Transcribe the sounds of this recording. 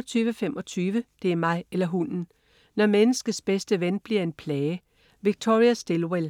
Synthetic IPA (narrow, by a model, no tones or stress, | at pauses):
t͡sʰyːʋəfemʔɒ̽t͡sʰyːʋəd̥e̝æɐmɑ̈ɪelɐɦunn̩ | nɒmenəsɡ̥əsb̥esd̥əʋenb̥liɐe̝npʰlɛːɪə | ʋiɡ̥̚t͡sʰo̝ʁiæsd̥e̝lwel